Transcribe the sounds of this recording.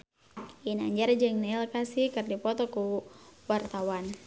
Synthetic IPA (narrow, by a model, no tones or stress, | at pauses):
ina̰ɲd͡ʒard͡ʒɨŋnalkasikɨrdipɔt̪ɔkuwart̪awan